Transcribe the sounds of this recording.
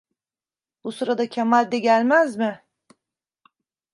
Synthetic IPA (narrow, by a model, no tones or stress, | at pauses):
busuɾad̪acʰamad̪ːɛɟælʲmæzmɪ